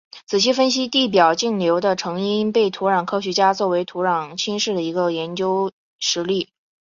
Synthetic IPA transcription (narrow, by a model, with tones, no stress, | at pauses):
t͡sʰɹ̩˨˩ɕʰi˥fə˥nɕ̬i˥t̪i˥˩p̬jɑ˨˩ʊt͡ɕi˥˩ŋljo˧˥ʊd̪ə˧ʈ͡ʂʰɤ˧˥ŋi˥npe˥˩ɪt̪ʰu˧˥ɻɑ˨˩ŋkʰɤ˥ɕ̬ɛ˧˥t͡ɕja˥t͡swɔ˥˩we˧˥ɪt̪ʰu˧˥ɻɑ˨˩ŋt͡ɕʰi˥nʂɻ̩˥˩d̪ə˩i˧˥ɡə˧jɛ˧˥nt͡ɕjo˥ʊ | ʂɻ̩˧˥li˥˩